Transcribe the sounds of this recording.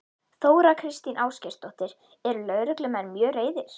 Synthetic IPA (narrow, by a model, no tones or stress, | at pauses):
θoːwɾakʰɾɪst̪inʔaːwscɛr̥t̪ɔht̪ɪɾ | ɛɾʏlœɥɾʏklʏmɛnːmjœːreːjðɪɾ̥